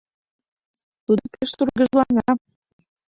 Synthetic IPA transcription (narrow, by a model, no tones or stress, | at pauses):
t̪ud̪opeʃt̪urɣəʒlɑnɑ